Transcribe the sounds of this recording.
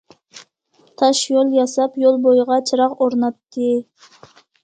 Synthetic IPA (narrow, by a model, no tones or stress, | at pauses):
t̪ʰɑʃjolˠjɑsɑpjolˠbojʁɑt͡ʃʰɨɾɑqoɾnɑt̪ːɨ